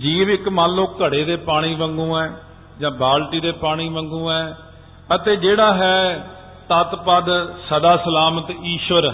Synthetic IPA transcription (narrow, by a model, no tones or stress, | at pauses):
d͡ʒiːʋɪkmãːloːkːəɽeːd̪eːpaːɽ̃iːbəŋɡũːɛː | d͡ʒãːbaːlʈiːd̪eːpaːɽ̃iːbə̃ŋɡũːɛː | ət̪eːd͡ʒeːɽaːɦɛː | t̪ət̪pəd̪səd̪aːsəlaːmət̪iːʃʋəɾ